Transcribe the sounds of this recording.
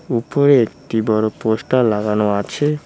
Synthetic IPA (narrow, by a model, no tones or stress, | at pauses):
upoɾeekʈibɔɾopoʃʈalaɡanoat͡ɕʰe